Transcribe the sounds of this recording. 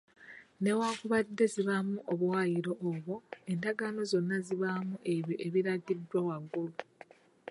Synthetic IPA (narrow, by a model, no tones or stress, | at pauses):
ne̞waːkuβadːe̞ziβamuʔoβwwajiɾo̞ʔːβoe̞ndaɡano̞zo̞nːaziβamuʔe̞βjoʔeβiɾaɡidːwawaɡːulu